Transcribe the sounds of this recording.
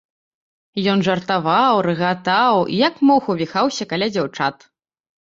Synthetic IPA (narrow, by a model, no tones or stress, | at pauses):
jɔnʐɐrt̪avawɾɨɣat̪awḭjakmɔwxɐwvʲixawsʲɐkalʲad͡zʲawt͡ʂat̪